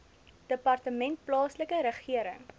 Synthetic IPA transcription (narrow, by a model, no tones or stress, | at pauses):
d̥əpɐrtəmɛnt̚plɑːsləkəɾəχiəɾə̰ŋ